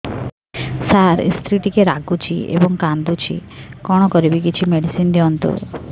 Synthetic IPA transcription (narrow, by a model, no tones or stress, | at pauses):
saɾḭst̪ʰɾiʈikeɾaɡut͡ʃʰiḛbɔŋkand̪ut͡ʃʰḭkɔɽ̃ɔkɔɾibikit͡ʃʰimeɽisind̪iɔnt̪ṵ